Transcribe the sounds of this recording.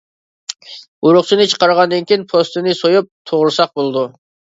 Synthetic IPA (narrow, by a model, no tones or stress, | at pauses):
uɾʊχt͡ʃʰinɨt͡ʃʰə̥qɑɾʁɑnd̪ɨnkʲʰiinpʰost̪ɨnɨsojup̚t̪ʰoʁɾɨsɑq̚bolˠd̪u